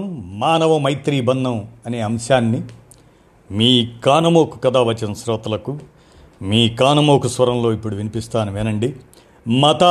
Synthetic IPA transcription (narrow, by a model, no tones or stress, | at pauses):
mmaːnɐʋɐmɐjt̪ɾiːbɐnd̪ɐmɐne̞ːɐmʃaːnːi | miːkaːnɐmoːku̥kɐd̪aːʋɐt͡ʃːɐnɐsɾɔːt̪ɐlɐku | miːkaːnɐmoːkusʋɐɾɐmlo̞ːipːuɽuʋinipist̪aːnuʋeːnɐɳɖi | mɐt̪a